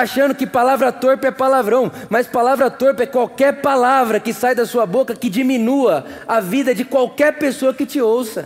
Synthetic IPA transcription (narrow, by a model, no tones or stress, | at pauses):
aʃɐ̃nd̪ʊkɪpalavɾɐt̪oɾpɪɛpalavɾɐ̃w̃mɐspalavɾɐt̪oɾpɪɛkwawkɛɾpalavɾɐkɪsajd̪ɐsuɐbokɐkɪd͡ʒimĩnuɐavid̪ɐd͡ʒɪkwawkɛɾpesoɐkɪt͡ʃɪowsɐ